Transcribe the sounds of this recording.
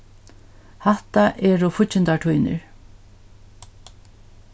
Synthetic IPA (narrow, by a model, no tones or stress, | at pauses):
haht̪aʔɛːɾɔfʊɪnt̪aʈʰujnɪ̰ɹ